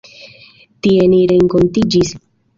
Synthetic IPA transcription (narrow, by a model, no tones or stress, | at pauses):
tie̞niɾe̞ŋko̞ntid͡ʒis